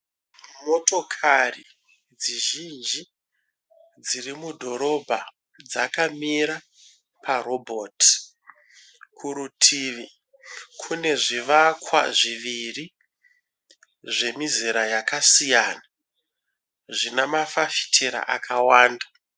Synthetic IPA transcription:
mo̞to̞kʰari | d͡ziʒind͡ʒi | d͡zirimudʱo̞ɾo̞bʱa | d͡zakamiɾa | paɾo̞bʱot | kʰuɾutʰiːʋi | kʰune̞ʐiʋakʰwa̰ʐiʋiri | ʐe̞miziɾajakasijana | ʐinamafafi̥tʰeɾa̰ʔakʰawaːnda

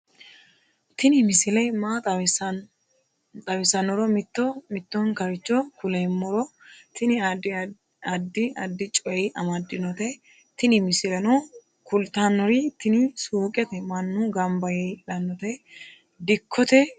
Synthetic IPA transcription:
t̪ɪnɪmɪsɪlɛjmat̪ɐwsɐ | t̪ʼɐwɪsɐnɔɾɔmɪt̪ːɔmɪt̪ːɔnkɐɾɪt͡ʃːɔkʊlɛmːɔɾɔt̪ɪnɪ | ɐd̪ːɪɐd̪ːɪt͡ʃʼɔjɛʔɐmɐd̪ːɪnɔt̪ɛ | t̪ɪnɪmɪsɪlɐnɔ | kʊlt̪anːɔɾɪt̪ːɪnɪsuːkʼːɛt̪ɛmɐnːʊɡɐmbɐjɛᶑɐnːɔt̪ɛ | d̪ɪkʰːɔt̪ɛ

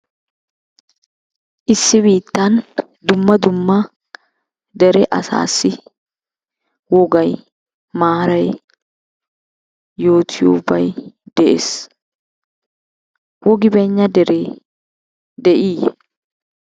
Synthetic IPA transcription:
ʔɪsːɪβiːt̪ːɐn | d̪ʊmːɐd̪ʊmːɐ | d̪ɛɾɛʔɐsa̰ːsːɪ | wɔɡɐj | maːɾɐj | jo̞ːt̪ʰɪjo̰bɐjd̪ɛʔḛs | wɔɡɪbɛɲːɐd̪ɛɾeː | d̪ɛʔiː

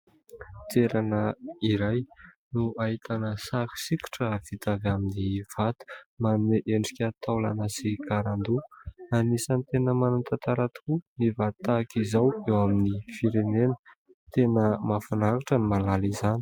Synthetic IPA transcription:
t̪eɾanəiɾaj | nuaɦit̪ʰanəsaki̥siki̥ʈ͡ʂəv̥it̪avaminiv̥at̪u̥manuneʔeɳɖ͡ʐi̥kʲat̪awla̰nasikaɾand̪uanisanit̪enəmanunt̪at̪aɾat̪kunivat̪ːakizawewaminifiɾenenə̥ | t̪enəmafanaɾiʈ͡ʂənimalalizani̥

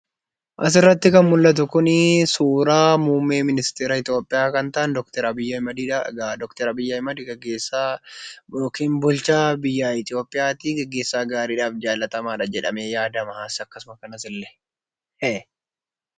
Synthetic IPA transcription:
ʔɐs̬ɪrːɐt̪ːɪkɐnmʊlːɐt̪̬ʊkʊnɪsuːɾaːmuːmːeːmɪnɪst̪eːɾɐɪt̪ɪjoːpʼːɪjaːkɐnt̪ɐʔɐnd̪ɔkt̪ɛɾɐbɪjːɐɪmɐd̪iːᶑd̪ɔkt̪ɛɾɐbɪjːɐɪmɐd̪ɪɡɛɡːeːsa | okiːnbʊlt͡ʃaːbɪjːaːɪt̪ɪjo̞ːpʼːɪjaːt̪iɡɛɡːe̞ːsːaːɡaːɾiːᶑaːfd͡ʒaːlːɐt̪ɐmaːᶑɐd͡ʒɛᶑɐmeːjaːd̪ɐmɐhaːsɐkːɐsʊmɐkɐnɐsɪlːɛ̥ | ɛ

